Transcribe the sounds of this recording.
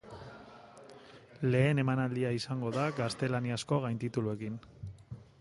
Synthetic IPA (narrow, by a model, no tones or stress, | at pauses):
le̞ːne̞manald̪iaisaŋɡo̞ðaɡast̪e̞laniasko̞ɣajnt̪it̪ulue̞kin